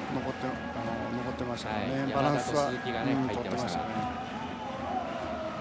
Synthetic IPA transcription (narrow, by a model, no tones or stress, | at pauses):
nokot̪ːe | anonoko̞t̪ːe̞maɕt̪aknebaɾãñsɨɡãt̪ot̪ːemaɕt̪ae